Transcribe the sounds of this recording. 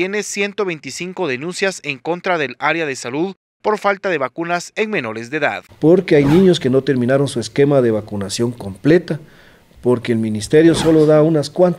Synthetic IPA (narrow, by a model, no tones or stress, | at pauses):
jene̞sje̞nt̪o̞βe̞jnt̪isiŋko̞ðenũnsjase̞ŋko̞nt̪ɾaðe̞laɾeaðe̞saluð | po̞ɾfalt̪aðe̞βakunase̞ŋme̞no̞ɾe̞zðeða̰ðpo̞ɾkeajnĩɲo̞ske̞no̞t̪e̞ɾmĩnaɾonsueske̞maðe̞βakunasjo̞ŋko̞mple̞t̪a | poɾke̞ːlmĩnist̪eɾjo̞so̞lo̞ðaunaskwant̪